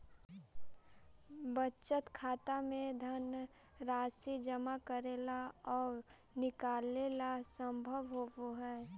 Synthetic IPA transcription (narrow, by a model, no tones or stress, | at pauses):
bətːt͡ʃət̪kʰaːt̪amẽd̪ʱən | ɾaːsid͡ʒəmakəɾeːlaɔːɾ | nɪkaːleːlasə̃mbʱəʋɦoʋɦɛː